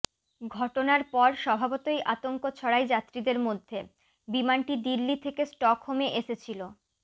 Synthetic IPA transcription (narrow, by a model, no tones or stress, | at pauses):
ɡʱɔʈonaɾpɔɾʃɔbʱabot̪ojʔat̪oŋkot͡ɕʰɔɽajd͡ʑat̪ːɾid̪eɾmod̪ʱːe | bimanʈid̪ilːit̪ʰekesʈɔkɦomeʔeʃet͡ɕʰilo